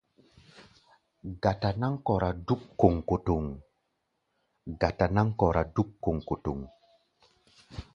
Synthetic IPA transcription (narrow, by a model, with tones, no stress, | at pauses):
ɡa˨ta˨na˦ŋkɔ˨ɾa˨du˦kːo˨ŋko˨to˨ŋ | ɡa˨ta˨na˦ŋkɔ˨ɾa˨du˦kːo˨ŋko˨tu˨ŋ